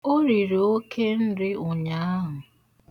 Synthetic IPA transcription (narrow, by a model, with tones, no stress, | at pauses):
o˦ɾi˨ɾo˨o˦kʰe˦n̩˦dɪ˦ʊ˨ɲa˨˦a˦ɦʊ˨